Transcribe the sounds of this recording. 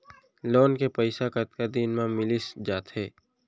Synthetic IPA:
loːnkepəɪsakət̪̚kad̪inmãmɪlɪsd͡ʒaːt̪hɛː

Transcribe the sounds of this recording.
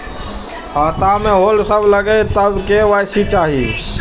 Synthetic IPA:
ɦət̪ameɦolsəbʱləɡet̪əbkeʋajsit͡ʃaɦi

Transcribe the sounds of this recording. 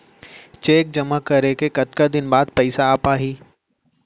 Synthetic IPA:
t͡ʃeːk̚d͡ʒɐmakɐɾekekɐt̪kad̪ɪnbaːd̪̚pɛɪsaːpaːɦiː

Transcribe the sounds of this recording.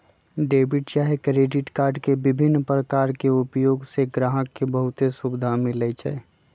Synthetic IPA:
ɖeːbɪʈt͡ʃaːɦekɾeːɖɪʈkaːɾɖkebɪbʱɪnːpɾəkaːɾkeʊpjoːɡseɡɾaːɦəkːebəɦʊt̪esubɪd̪ʱamɪlɛt͡ʃʰɛ̰

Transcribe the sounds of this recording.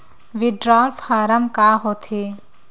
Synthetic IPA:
ʋiɖɾaːlfʰaːɾəmkaːɦoːt̪ʰe

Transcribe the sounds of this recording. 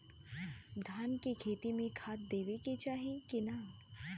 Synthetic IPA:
d̪ʱaːnkekʰeːt̪imẽkʰaːt̪̚d̪eːʋeket͡ʃaːɦikina

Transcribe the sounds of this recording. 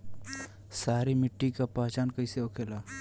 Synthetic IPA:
saːɾimɪʈːikapaːt͡ʃaːnkəɪseokʰeːlaː

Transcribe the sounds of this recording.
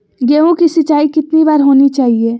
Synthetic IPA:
ɡeːõkisɪt͡ʃaːikɪt̪nibaːɾɦoːnit͡ʃaːɦieː

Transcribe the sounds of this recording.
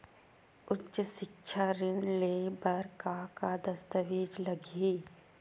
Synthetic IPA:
ʊtʃəʃɪkʃʰaɾɪñlebəɾkakad̪ɐst̪əʋeːd͡ʒlɐɡiː

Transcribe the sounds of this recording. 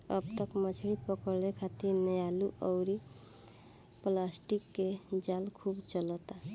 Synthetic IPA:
ʌ̰bt̪əkmət͡ʃʰɽipəkəɾlekʰat̪iɾnəjaluʔəwɾi | plasʈikːed͡ʒalkʰubt͡ʃʌlɔt̪a

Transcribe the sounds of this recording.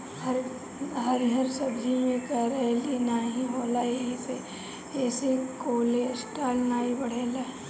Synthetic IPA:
həɾ | ɦəɾɦəɾsɐbimẽkəɾɛlinaːɦĩɦoːlaːiise | ɛːsekoːlesʈaːlnaːibɐɽ̤eːlaː

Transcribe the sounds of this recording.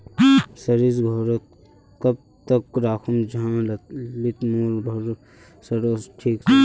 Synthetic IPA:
sɐɾizɡʱɔːɾət̪̚ | kɐb̚ | t̪ɐkːɾaːkʰumd͡ʒãllit̪muːlbʱɐɾu | sɐɾoːsʈʰiːk

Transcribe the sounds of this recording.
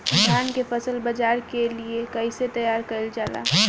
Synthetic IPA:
d̪ʱjaːnkefɐsəlbɐd͡ʒaːɾkeliekɐɪset̪ɐjaːɾkɐɪld͡ʒaːla̰ː

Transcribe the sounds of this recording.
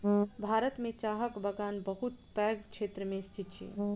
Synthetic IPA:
bʱaɾət̪met͡ʃaɦəkbəɡanbəɦut̪pɛɡkt͡ʃʰet̪ɾəmest̪ʰit̪t͡ʃʰḭ

